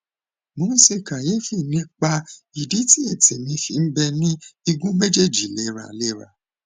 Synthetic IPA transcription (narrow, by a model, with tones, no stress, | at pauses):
mõ˨˦n̩˦se˧˨ka˨je˨˦fi˦˨nĩ˨˦k͡pa˧ | i˨di˨˦ti˦ɛ˦˨te˨mĩ˧˦fi˨˦n̩˦bɛ˧nĩ˦i˧ɡũ˦me˦d͡ʒe˦˨d͡ʒi˨˦˨lɛ˦˨ɾa̰˨le˦˨ɾa̰˨